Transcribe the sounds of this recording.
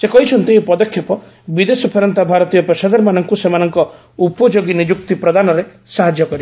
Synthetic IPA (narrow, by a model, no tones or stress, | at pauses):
sekɔɦit͡ʃʰɔnt̪iɦpɔd̪ɔkʰːjɔpɔ | bid̪esɔpʰeɾɔnt̪abʱaɾɔt̪ijɔpesad̪ɔɾmanɔŋkusemanɔŋkɔ | upɔd͡ʒoɡinid͡ʒuk̚t̪ipɾɔd̪anɔɾe | saɦad͡ʒjɔkɔɾi